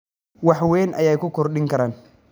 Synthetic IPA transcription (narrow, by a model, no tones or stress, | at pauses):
wɑħwɛːnʔɐ̰jɛjkʰʊkʰɔrɗɪŋkʰɐɾaːn